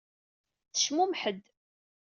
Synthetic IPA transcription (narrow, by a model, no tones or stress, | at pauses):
θəʃmumħəd̪